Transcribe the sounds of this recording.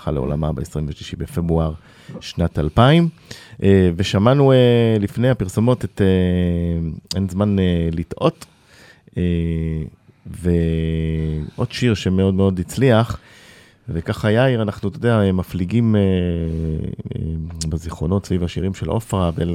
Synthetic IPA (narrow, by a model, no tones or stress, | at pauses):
χa̰leo̞̰la̰mabeesʁimveʃliʃibefe̞bʁuaʁ | ʃnatalpaim | ve̞ʃamanuelifne̞jhapiʁso̞mo̞tete | enzmanelitʔo̞t | e | ve | ʔo̞dʃiʁʃe̞me̞o̞dmeo̞dit͡sliaχ | vekaχajaiʁanaχnut̪odeaemafliɡime | beziχʁo̞no̞tsvivaʃiʁimʃelʔo̞fʁavel